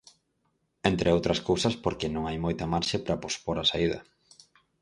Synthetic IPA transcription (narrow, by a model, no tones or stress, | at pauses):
ent̪ɾʔeowt̪ɾɐskowsɐspoɾkenõŋajmojt̪ɐmaɾʃepɾɐpospoɾɐsaiðɐ̰